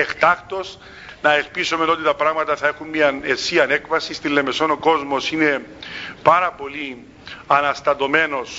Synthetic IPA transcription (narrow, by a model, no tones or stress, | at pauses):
ext̪ɐxt̪o̞s | nɐelpisome̞no̞t̪it̪ɐpɾɐɣmɐt̪ɐθɐe̞xunmiɐnesiɐnekfɐsist̪ilːe̞meso̞noko̞zmo̞sine̞pɐɾɐpo̞li | ɐnɐst̪ɐt̪o̞me̞no̞s